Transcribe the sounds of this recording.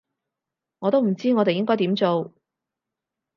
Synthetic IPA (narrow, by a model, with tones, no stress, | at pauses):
ŋɔː˨˧t̪o˥wm̩˨˩t͡siː˥ŋɔː˨˧t̪e˨jɪ˥ŋkɔː˥jt̪iː˨˥mt͡so˨w